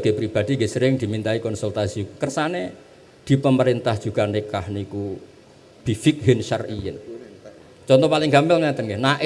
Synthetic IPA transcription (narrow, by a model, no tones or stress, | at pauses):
ɡ̥epɾib̥ad̪̥i̤ŋɡɪsəɾɪŋd̪̥i̤mint̪aikɔnsult̪asiukərsane | d̪̥i̤pəməɾint̪ahʒ̥uɡ̥a̤nikahniku | b̥ifɪk̚ɦɪnʃarijən | t͡ʃɔnt̪ɔpalɪŋɡambɛlŋat̪əŋɡehnaʔɪ